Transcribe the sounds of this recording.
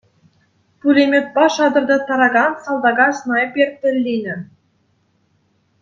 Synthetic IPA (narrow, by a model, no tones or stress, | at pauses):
pulʲemʲĕt̪̚pɑʃɑd̪ɤ̆rd̪ɤ̆t̪ɑɾɑɡɑnsɑlˠd̪ɑɡɑsnɑjepʲerʲt̪̚ʲːɘ̆lʲːinʲɘ̆